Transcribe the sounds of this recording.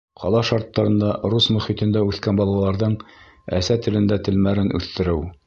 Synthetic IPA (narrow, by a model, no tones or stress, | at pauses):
qʰɑ̰lˠɑʃɑɾt̪ːɑɾɤ̆nd̪ɑɾusmɵ̆χit̪ɘ̆nd̪æʉθkænbɒlˠɑ̆lˠɑɾðɤɴ | æ̰sæt̪ɘ̆lɘ̆nd̪æt̪ɘ̆lmæɾɘnʔʉ̰θt̪ɘ̆ɾɘw